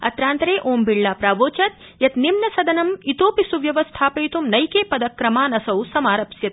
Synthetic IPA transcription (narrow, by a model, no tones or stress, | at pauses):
ɐ̰t̪ɾaːnt̪ɾeːʔoːmbiɭːaːpɾaːʋoːt͡ʃɐt̪ | jɐt̪nimnɐsɐd̪ɐnɐmit̪oːpisuʋjɐʋɐst̪ʰaːpɐjt̪umnɐjkeːpɐd̪ɐkːɾɐmaːnɐsɐwsɐmaːɾɐpsjɐt̪̚